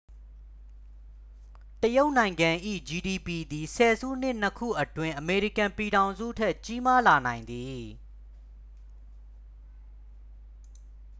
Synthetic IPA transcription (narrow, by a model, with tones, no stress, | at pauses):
təjo˦ʊʔnã˨ɪ̃ŋɡã˨ʔḭ˦˨d͡ʑi˨di˨pi˨d̪i˨sʰɛ˨zṵ˦˨n̥ɪ˦n̥əkʰṵ˦˨ʔətwɪ̃˦ʔəme˨ɹi˦˨kã˨mpi˨ɾã˨ʊ̃nzṵ˦˨tʰɛ˦ʔt͡ɕi˦ma˦la˨nã˨ɪ̃nd̪i˨